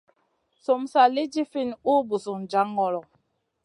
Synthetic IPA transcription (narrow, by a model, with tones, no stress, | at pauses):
so˨msa˨li˦d͡ʒi˦fi˦˨nu˦bu˨su˨ŋd͡ʒa˦ŋɔ˦˨lɔ˨